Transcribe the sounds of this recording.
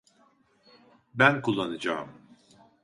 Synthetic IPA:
bænkʰulˠːanɯd͡ʒaːm

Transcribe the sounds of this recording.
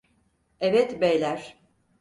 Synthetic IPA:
ɛvɛt̪bejlʲæɾ̥

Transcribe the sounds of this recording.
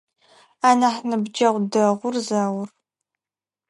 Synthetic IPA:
aːnaħnɨbd͡ʒɐʁʷdɐʁʷʊrzaːwʊr

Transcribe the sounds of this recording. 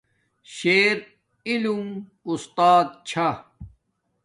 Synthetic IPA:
ɕeːɾ | ilum | ust̪aːd̪̚t͡ɕʰa

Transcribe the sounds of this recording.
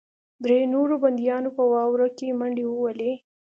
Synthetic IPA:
d̪ɾenoɾoband̪ijɑnopəwɑwɾakemaɳɖewəwale

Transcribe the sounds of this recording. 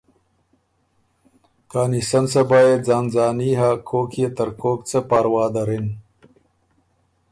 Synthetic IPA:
kaːnisɐnsɐbaːjed͡zaːnzaːniɦakʰoːkʰjet̪ɐɾkoːkt͡səpaːɾwaːd̪ɐɾin

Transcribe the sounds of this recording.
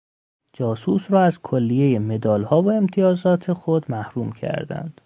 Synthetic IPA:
d͡ʒɒːsuːsɾɒːæzkʰolːijeje̞me̞d̪ɒːlhɒːvoe̞mt̪ʰijɒːzɒːt̪ʰe̞xod̪mæhɾuːmcʰæ̰ɾd̪æ̰nd̪̥

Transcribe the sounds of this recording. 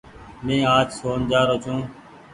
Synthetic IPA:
mẽːaːd͡ʒsoːnd͡ʒaːɾoːt͡ʃʰũː

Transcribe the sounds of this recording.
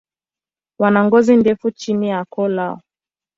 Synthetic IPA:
wanaŋɡɔzindɛfut͡ʃinijakɔlaɔ

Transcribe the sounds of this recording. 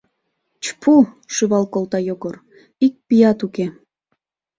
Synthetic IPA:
t͡ɕpʰu | ʃyβɑlkolˠt̪ɑjoɣor | ik̚pijɑt̪uke

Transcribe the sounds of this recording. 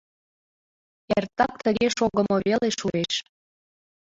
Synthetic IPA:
ært̪ɑk̚t̪əɣeʃoɣə̆moβeleʃueʃ

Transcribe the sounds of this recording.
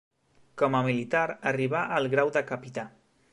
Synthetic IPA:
kɔməmilit̪aɾəriβaʔəlˠɣɾawd̪əkəpit̪a

